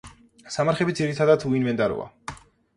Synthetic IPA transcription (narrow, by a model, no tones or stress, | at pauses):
samaɾχɛbid̪ziɾit̪ʰad̪at̪ʰuinmɛnd̪ʼaɾɔ̰a̰